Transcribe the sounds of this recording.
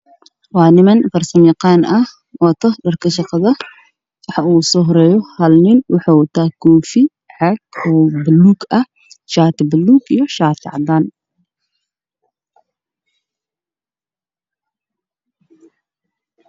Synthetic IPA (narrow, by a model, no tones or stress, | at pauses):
waːnɪmɐnfɐrsɐmiqaːnʔɐh | wɐt̪ɐdɐrkɐʃɑqɑðɐ | wɑħɑʔuːsɔɦɾɛjɔhɐlnɪnwɑħawɐt̪aːkɔːfi | ʕaɡɔːbɐlːuːɡɐ | ʃaːt̪bɐlːuːɡijɔʃaːt̪ɪʕɑd̪aːn